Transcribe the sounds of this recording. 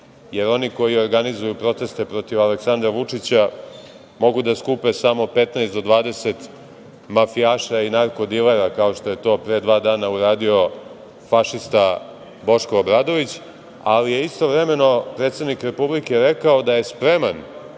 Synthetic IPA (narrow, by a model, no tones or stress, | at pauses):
je̞ɾo̞niko̞jioɾɡanizujupɾo̞t̪e̞st̪e̞pɾo̞t̪iʋaleksand̪ɾaʋut͡ʂit͡ɕa | mo̞ɡud̪askupe̞samo̞pe̞t̪naest̪d̪o̞d̪ʋaːd̪e̞se̞t̪ | mafijaːʃainaɾko̞d̪ileɾakao̞ʃt̪o̞je̞t̪o̞ːpɾe̞d̪ʋaːd̪aːnauɾaːd̪io̞ | faʃist̪a | bo̞ʃkoːbɾad̪o̞ʋit͡ɕ | alije̞ist̪o̞ʋɾeme̞no̞pɾet̪sed̪nikɾe̞publike̞ɾe̞kaod̪aje̞spɾe̞man